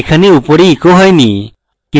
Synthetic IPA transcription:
kʰɐniupoɾiːkoɦɐjni | ki

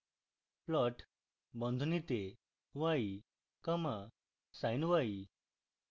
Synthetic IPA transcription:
plɔʈ | bɔnd̪ʱunit̪e | ʋai | kəma | sajnʋai

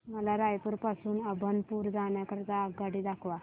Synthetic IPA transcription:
məlaɾajpuɾpasuːnəbʱənpuːɾd͡zaɳjakəɾt̪aːɡaɽid̪akʰʋa

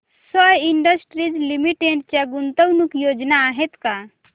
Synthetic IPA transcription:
sɔjiɳɖəsʈɾid͡ʒlimiʈeɳɖ̚t͡ʃɛɡunt̪əwnukjod͡ʒnaːɦet̪ka

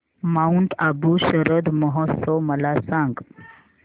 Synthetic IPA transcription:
mauɳʈ̪abuɕəɾəd̪məɦɔt̪sɔwməlasãŋɡ

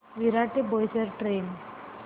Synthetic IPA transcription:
ʋiɾaʈebojsəɾʈɾem

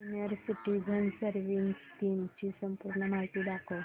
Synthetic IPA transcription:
uniəɾsiʈiɡʱənsəɾʋinst̪imt͡ɕisəmpuɾɳəmaɦit̪iːɖ̪akʰo

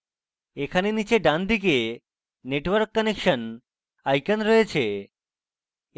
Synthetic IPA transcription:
ekʰanenit͡ɕeɖand̪ike | neʈwəɾkːɔnekʃən | ajkanɾɔet͡ɕʰe

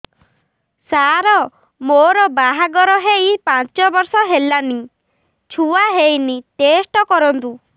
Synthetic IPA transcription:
saɾɔ | moɾɔbaɦaɡɔɾɔɦejpat͡ʃɔbɔɾsɔɦelani | t͡ʃʰuaɦejnit̪esʈɔkɔɾɔnt̪u

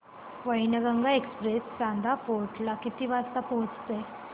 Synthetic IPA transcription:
ʋəjnəɡaŋɡaekspɾesːãnd̪apoʈʰlakit̪iʋast̪apoɦt͡st̪e

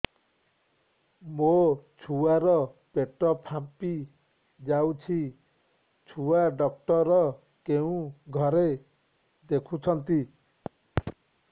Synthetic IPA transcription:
mot͡ʃʰuaɾɔpeʈɔpʰapi | d͡ʒawt͡ʃʰi | t͡ʃʰuaɖɔk̚ʈɔɾɔ | keũɡʱɔɾe | d̪ekʰut͡ʃʰɔnt̪i

